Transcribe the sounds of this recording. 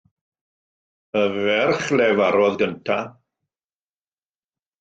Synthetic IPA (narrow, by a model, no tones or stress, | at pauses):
əvɛrχlɛvaɾɔðɡəntʰa